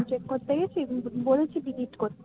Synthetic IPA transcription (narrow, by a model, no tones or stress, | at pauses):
t͡ɕekkoɾt̪eɡet͡ɕʰibolet͡ɕʰiɖiɡiʈkoɾt̪ː